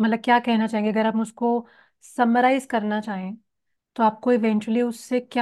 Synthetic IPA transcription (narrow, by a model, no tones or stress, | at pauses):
mɐt̪ləb̚kjaːkɛɦnat͡ʃaːɦẽːŋɡeɐɡəɾaːpʊsko | sɐməɾaːɪzkɐɾnat͡ʃaːɦẽː | t̪oaːp̚koɪʋɛ̃ːɲt͡ʃuəliʊsːekja